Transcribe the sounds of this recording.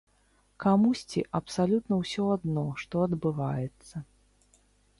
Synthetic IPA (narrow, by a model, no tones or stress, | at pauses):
kamusʲt͡sʲiʔɐpsalʲut̪nɐwsʲɔad̪nɔʂt̪ɔɐd̪bɨvajɛt̪sːɐ